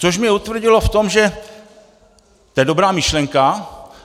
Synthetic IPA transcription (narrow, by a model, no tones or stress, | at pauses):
t͡soʃmɲɛut̪vr̩ɟɪlo̞ft̪o̞mʒɛ | t̪ojɛdo̞bɾaːmɪʃlɛŋka